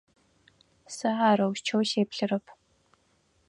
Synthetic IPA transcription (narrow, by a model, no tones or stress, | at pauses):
sɐaːɾɐwʃt͡ʃʰɐwʃeːpɬɨrɐpʰ